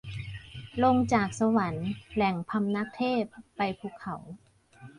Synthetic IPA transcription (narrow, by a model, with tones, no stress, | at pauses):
lo˧ŋt͡ɕaː˨˩k̚sa˧wa˩˦nlɛ˨˩ŋpʰa˧mna˦˥k̚t̪ʰeː˥˩pːa˧jpʰuː˧˩kʰːa˩˦w